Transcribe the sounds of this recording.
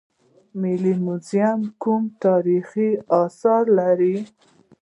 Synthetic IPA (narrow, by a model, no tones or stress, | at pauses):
mɪlimuzijamkumt̪ɑɾixiɑsɑɾlaɾi